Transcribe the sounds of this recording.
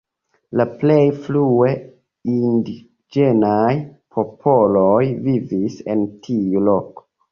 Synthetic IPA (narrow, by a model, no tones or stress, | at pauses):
laple̞jflue̞ | indi | d͡ʒe̞najpʰo̞pʰo̞lojvivise̞̰ntʰiulo̞ko̥